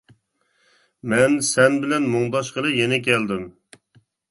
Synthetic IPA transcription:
mɛnsɛnbɪlɛnmoŋd̪ɑʃqəɾˠɨjenɛk̬ʲʰɛld̪ɪm

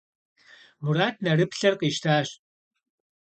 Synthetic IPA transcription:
muɾaːtʰnɐrɨpɬɐrqʼiːʃtʰaːɕ

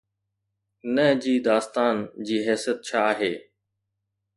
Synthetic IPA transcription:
nəd͡ʑiːd̪aːst̪aːnd͡ʑiːɦɛːsijət̪̚t͡ɕʰaːɦeː

